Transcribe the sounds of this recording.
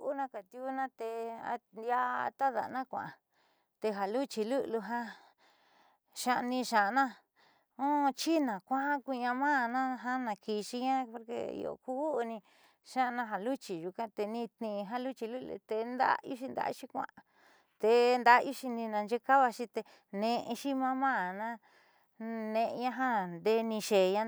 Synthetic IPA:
ʔu˦nã˦ka˨t̪ju˦˧˦nã˦t̪e˧a̰˧ja̰˦˧t̪a˦ða̰˨˧nã˦kʷã̰˨ʔa˨ | t̪e˧ɦa˨lu˦t͡ʃi˧lu˦ʔlu˧ɦã˦ | ʃa˧ʔnĩ˧ʃã˨˧nã˦ | õ˦˧t͡ʃi˦nã˨kʷã˦a˦ku˧ɲã˧mãː˦˨˧nã˦ɦa˦nã˧ki˧ʃi˧ɲã˦po˧ɾkḛ˧ḭ˧o̰˨ku˦˧nĩ˧ | ʃã˦˧nã˧ɦã˧lu˦t͡ʃi˨ʒu˧kã˦t̪e˧nĩ˧t̪nĩ˧ɦã˦lu˦t͡ʃi˧lu˦lṵ˧t̪e˧nd̪a̰˦ḭ˦ʃi˧nd̪a̰˧˦ʃi˧kʷã̰˧ʔa˧ | t̪e˧nd̪a˦˧ʔi˦ʃi˧nĩ˧nã˧nd͡ʒe˦ka˦βa˧ʃi˧t̪e˧ | nẽ˧ʔʃi˦mã˦mã˦˨nã˦ | nẽ˧ʔɲã˦ɦã˦nd̪e˧˦nĩ˧ʃe˨ɲã˦

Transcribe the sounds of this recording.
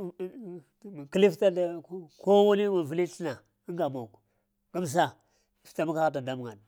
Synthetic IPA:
ki˦li˦fta˦dko˦wa˦ni˦ma˨vi˦li˦ɬi˦na˨ | i˦ŋɡa˨mo˨k | ɡa˦m˨s̬a˦˨ | fta˦ma˦ka˦ɣa˦t̬a˨da˦m˨a˨n˨

